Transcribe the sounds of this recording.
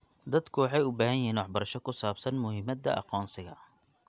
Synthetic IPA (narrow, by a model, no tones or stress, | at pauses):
d̪ɐd̪kʰʊwɑħɑjʊbaːɦɐjɪɦiːnwɑħbɐɾɐʃɔkʰʊsaːbsɐnmʊhɪmɐd̪ɐ̰ʔɑ̰qɔːnsɪɣɐ